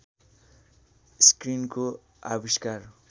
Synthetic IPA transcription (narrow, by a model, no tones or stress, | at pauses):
skrinko | a̰biskar